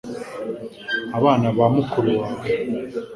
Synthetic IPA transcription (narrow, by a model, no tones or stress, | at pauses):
aβaːnaβamukʰuɾuwaːwe